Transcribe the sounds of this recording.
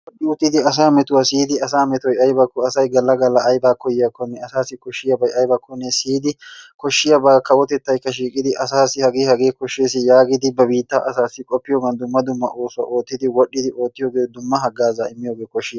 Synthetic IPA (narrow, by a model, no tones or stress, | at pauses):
wwɔɗːɪʊt̪ːɪd̪ɪɐs̬aːmɛt̪ʊwasiːd̪ɪɐsaːmɛt̪ɔjɐjbɐkːɔɐsɐjɡɐlːɐɡɐlːɐːjbaːkɔjɪjɐkːɔnːɛɐsaːsːɪkɔʃːɪjɐbɐjɐjbɐkːɔnːɛsiːd̪ɪkʰɔʃːɪjɐbaːkɐwɔt̪ɛt̪ːɐjkːɐʃiːkʼɪd̪ɪʔɐsaːsɪhɐɡeːhɐɡeːkɔʃːeːsɪjaːɡɪd̪ɪbɐbiːt̪ːaʔɐsaːsːɪkʼɔpːɪjoːɡɐnd̪ʊmːɐd̪ʊmːɐ̰ʔo̞ːsʊwɐ̰ʔo̞ːt̪ːɪd̪ɪwɔɗːɪd̪ɪʔo̞ːt̪ːɪjoːɡeːd̪ʊmːɐɦɐɡːaːzaːɪmːɪjoːɡe̞ːkɔʃːɪ